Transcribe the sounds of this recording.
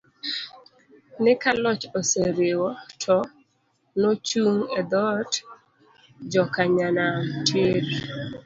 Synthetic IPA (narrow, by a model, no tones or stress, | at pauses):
nɪkalɔt͡ʃoseɾewɔtʰɔ | not͡ʃuŋɛd̪ɔt | d͡ʒɔkaɲanatʰjeɾ